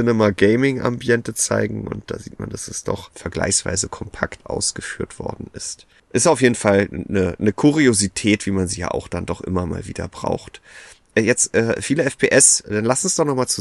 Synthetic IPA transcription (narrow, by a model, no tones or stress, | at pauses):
ɪnɛmaɡɛɪmɪŋʔa̰mbiɛntət͡sa̰ɪɡŋ̩ʔʊ̰nt̚d̥a̰ːziːtma̰nd̥asɛsd̥ɔ̰χfɛɐɡla̰ɪçsv̥a̰ɪzəkʰɔmpʰaktʔa̰ʊsɡ̥əfyːɐtv̥ɔ̰ɐdn̩ɪst | ʔɪstaʊfjeːdn̩falnənəkʰuʁiozitʰɛːtv̥iːmanziːja̰ːʔa̰ʊxd̥andɔχʔɪmɐma̰ːlvḭːdɐ̰bʁa̰ʊxt | ʔɛjɛt͡stʔɛːfiːləɛfpʰeːʔɛsd̥anlasn̩sd̥ɔχnɔχmaːlt͡su